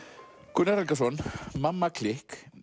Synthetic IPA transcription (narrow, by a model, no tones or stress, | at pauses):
kʊnɛɾalkasɔnmamːakʰlɪhk